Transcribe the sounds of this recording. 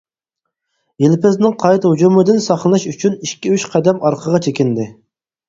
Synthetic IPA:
jelpɪznɪŋqʰɑjt̪hud͡ʒumɨd̪ɪnsɑχnˠɨlˠɨʃyt͡ʃʰyniʃkʲiyʃqʰɛd̪ɛmɑɾqʰəʁɑt͡ʃʰekʲind̪ɪ

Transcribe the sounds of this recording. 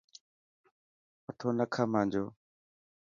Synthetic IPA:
ət̪ʰoːnəkʰaːmãːnd͡ʒoː

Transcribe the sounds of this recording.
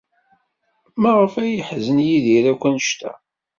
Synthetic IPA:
mæʁəfæjəħzənjiðiɾækʷːənʃt̪æ̰

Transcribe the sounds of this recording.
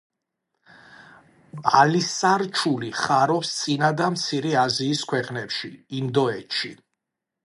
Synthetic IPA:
alisaɾt͡ʃʰuliχaɾɔpst̪sʼinad̪amt̪sʰiɾɛaziːskʰwɛqʼnɛpʃiːnd̪ɔɛt̪ʃi

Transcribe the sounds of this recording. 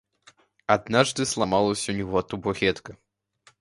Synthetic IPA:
ad̪̚naʐd̪ɨslˠamalˠɔsʲɐwnʲɔɣɔt̪ubɔɣʲɛt̪kɐ

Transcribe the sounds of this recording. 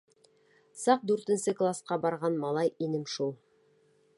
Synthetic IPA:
sɑq̚d̪ʉɾt̪ɘ̆nsɘklˠasqɑbɑɾʁɑnmɑlˠɑjinɘmʃulˠ

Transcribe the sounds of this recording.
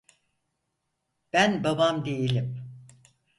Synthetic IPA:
b̥ænbabamd̪ejelʲim

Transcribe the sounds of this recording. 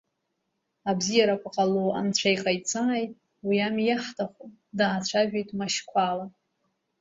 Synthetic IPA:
abzijaɾakʷaqʼaloa̰nt͡ɕʷʰajqʼajt͡sʰʼaːjtʼ | wiamjaħtʰaχu | daːt͡ɕʷʰaʒᶣejtʼmaʃkʷʰala

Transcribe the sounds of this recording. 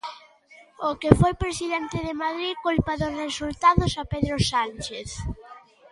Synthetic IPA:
okefojpɾesiðɛnt̪ɪðemaðɾikulpaðʊsresult̪aðosapeðɾosant͡ʃeθ

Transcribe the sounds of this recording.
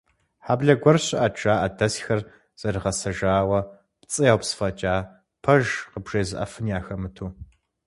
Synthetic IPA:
ħaːbɮɐɡʷɔrɕʼɪʔaʈ͡ʂʼaːʔɐdɐsxɐr | z̥ɐrɨʁɐsɐʒaːwɐ | pt͡sʼɨjaːwpsfɐt͡ʃʼaː | pʰɐʒqəbʒeːzɨʔɐ̰fɨnjaːxɐmɨtʰuː

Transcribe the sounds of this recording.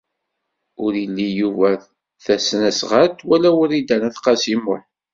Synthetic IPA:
ʊɾilːijuvæ | θæsnæsʁæt̪ːwælæwəɾid̪ænæθqɑsimʊħ

